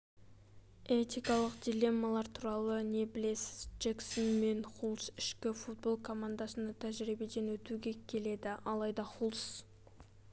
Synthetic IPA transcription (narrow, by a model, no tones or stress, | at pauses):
et̪ijkɑlˠəqd̪ʲile̞mːalˠɑɾt̪ʰuɾɑlˠəne̞bɪle̞sɪ̥z̥d͡ʒeksonme̞nχulˠsɪʃkʲɪfut̪̚bo̞lˠkʰo̞mand̪asənɑt̪ʰæʒɾibed̪e̞nwɵt̪uɡʲe̞kʲʰe̞le̞d̪ɪɑlˠɑjd̪ɑχulˠs